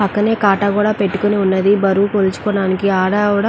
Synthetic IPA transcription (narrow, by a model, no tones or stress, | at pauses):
pɐkːɐne̞ːkaːʈɐkuːɽaːpe̞ʈːu̥kuniunːɐd̪ibɐɾuːkolut͡ʃu̥koːɽaːnikiaːɽɐʋuɽɐ